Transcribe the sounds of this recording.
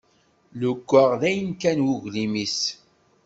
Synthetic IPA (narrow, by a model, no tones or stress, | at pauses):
lʊkʷːəʁðæjənkænwuʝlimis